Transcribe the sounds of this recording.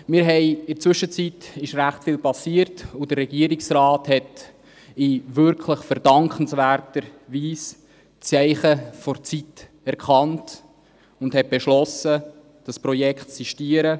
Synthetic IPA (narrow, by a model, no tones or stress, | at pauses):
mɪːɾɦɛɪɪɾt͡sʋʏʃːət͡sitɪʃɾæχtfɪːlpɑsiəɾtudərːɛɡ̥iəɾɪksrɑːthɛt | ɪʋʏɾkʰləχfəɾd̥ɑŋkχənsvæːɾtəɾviːs | t͡sɛɪχəfɔɾt͡sit | ɛɾkχɑnt | ʊndhɛt̚b̥ɛʃlɔsə | d̥ɑspɾɔjɛkχtsiʃtiəɾə